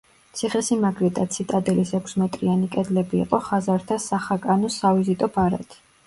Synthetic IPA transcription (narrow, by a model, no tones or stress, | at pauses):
t̪sʰiχɛsimaɡɾɛd̪ʼat̪sʰit̪ʼad̪ɛlisɛkʰsmɛt̪ʼɾianikʼɛd̪lɛbḭːqʼɔχazaɾt̪ʰasaχakʼanɔsavizit̪ʼɔbaɾa̰t̪ʰi̥